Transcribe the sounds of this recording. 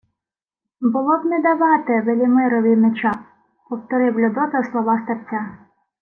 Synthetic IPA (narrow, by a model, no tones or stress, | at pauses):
bʊlˠɔbnɛd̪ɐʋɑt̪ɛʋelʲimɪɾɔʋʲimet͡ʃɑ | pɔwt̪ɔɾɪwlʲʊd̪ɔt̪ɐslˠɔʋɑst̪ɐrt͡sʲːa